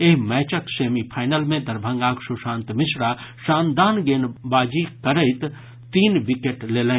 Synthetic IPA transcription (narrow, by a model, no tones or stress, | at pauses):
eɦmɛːt͡ʃəkseːmipʰaːɪnəlmẽd̪ɐɾbʱə̃ŋɡaːksuʃãːnt̪mɪsɾaʃãːnd̪aːnɡeːnbaːd͡ʒikəɾəɪt̪ | t̪iːnʋɪkeʈleːlẽ